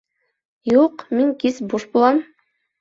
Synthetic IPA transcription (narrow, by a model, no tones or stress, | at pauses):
juqmiŋkisbuʃbulˠɑm